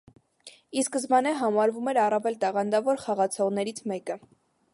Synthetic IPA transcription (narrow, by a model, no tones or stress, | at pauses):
iskəzmɑnɛɦɑmɑɾvumɛɾɑrɑvɛlt̪ɑʁɑnd̪ɑvɔɾχɑʁɑt͡sʰɔʁnɛɾit͡sʰmɛkə